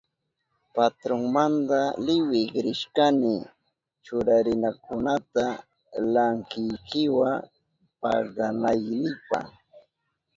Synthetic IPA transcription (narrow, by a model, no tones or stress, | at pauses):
pat̪ɾoŋmand̪alɪwɪkɾɪʃkanɪ | t͡ʃʊɾaɾɪnakʊnat̪a | laŋkɪjkɪwa | pɑ̰ɢɑnajnɪpɑ̰